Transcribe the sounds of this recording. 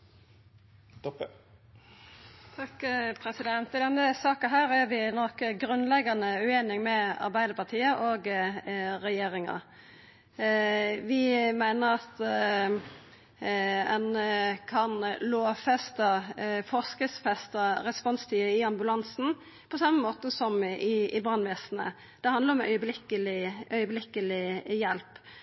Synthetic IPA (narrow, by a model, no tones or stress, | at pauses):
t̪ʰɑkpʰɾɛsɪd̪ɛnt̪ɪd̪ɛnːəsɑːkɑɦæːɾæɾʋɪnɔkɡɾʉnːlɛɡɑnəʉeːnɪŋmɛɑ̰ɾbæɪd̪əɾpɑt̪ʰiːəʔoːɡ | ʁɛjeːɾɪŋɑ̰ | ʋɪmæɪnəʁɑt̪ | ɛnəkʰɑnloːfɛst̪əfɔskəsfɛst̪əɾɛspɔnst̪ʰiːəɪɑmbʉlɑnsn̩ | pʰɔsɑmːəmoːt̪əsɔmɪɪbʁɑnʋɛːsnə̰ | d̪̥ɛhɑnd̪əɾɔmœ̰ʏəblɪkːəlɪœʏəblɪkːəlɪjɛlp